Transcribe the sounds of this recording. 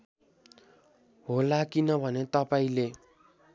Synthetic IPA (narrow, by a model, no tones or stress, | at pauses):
ɦolakinʌbʱʌnet̪ʌpaĩle